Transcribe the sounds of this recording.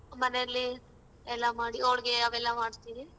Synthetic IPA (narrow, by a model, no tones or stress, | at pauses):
mɐneɐlːi | ɛlːamaːɽiɐʋɭɡeɐʋɛlːamaːɽt̪iːɾi